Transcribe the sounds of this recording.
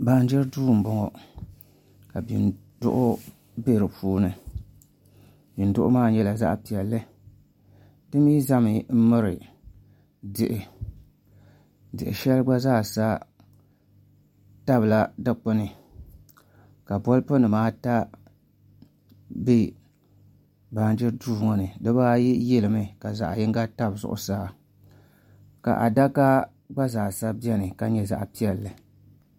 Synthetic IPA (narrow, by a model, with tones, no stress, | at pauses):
ba˨n˦d͡ʒɛ˦ɾduː˦˨m̩˨bɔ˨ŋɔ˨ | ka˨bḭ˨n | dʊ̰˦ʔʊ˦ | be˦˨ɾɨ˨pʰuː˦nɨ˨ | bi˨n̩˨dʊ˦ʔʊ˦maː˦ɲɛ˦la˨za̰˦ʔpi˨ɛ˨lːɨ˦ | dɨ˦mi˦za˦mɨ˨m̩˦mɨ˦ɾɨ˨ | dɪ˨ʔɪ˨ | dɨ̰˨ʔɪ̰˨ʃɛ˦lɡ͡ba˦zaː˦˨sa˦ | ta˦bɨ˨la˦dɨ˦k͡pʊ˦nɨ˨ | ka˨bɔ˦lpɨ˦nɨ˨maː˦ta˦ | bi˦ | baː˨˦n˦d͡ʒɪ˦duː˦˨ŋɔ˨nɨ˨dɨ˦baː˦ji˦jɛ˦lɨ˨mɨ˨ka˨za̰˨ʔjɪ˦ŋɡa˦ta˦bzʊ̰˨ʔʊ̰˨saː˦ | ka̰˨ʔa̰˨da˦ka˦ | ɡ͡ba˦zaː˨sa˦bi˦ɛ˦nɨ˨ka˨ɲɛ˨za̰˨ʔpi˦ɛ˨lːɨ˨